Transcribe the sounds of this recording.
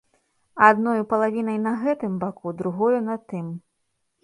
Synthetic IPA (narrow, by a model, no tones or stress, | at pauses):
ad̪nɔjupɐlˠavʲinɐjnɐɣɛt̪ɨmbakud̪ɾuɣɔjunɐt̪ɨm